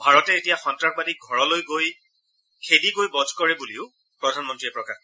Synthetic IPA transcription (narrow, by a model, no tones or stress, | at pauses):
bʱaɹɔtɛetijaxɔntɹakbadiɡʱɔɹɔlojɡoj | kʰediɡojbɔdʱkɔɹɛbuliʊ | pɹɔdʱanmɔntɹiɛpɹɔkax